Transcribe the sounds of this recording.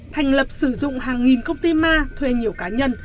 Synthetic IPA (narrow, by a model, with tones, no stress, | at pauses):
t̪ʰa˨˩jŋ̟lə˨˩p̚sɨ˧˩zʊ̰˧˨ŋ͡mhaː˨˩ŋːi˨˩nkə˧wŋ͡mt̪i˧maː˧t̪ʰwe˧ɲi˨˩əwkaː˨˦ɲə˧n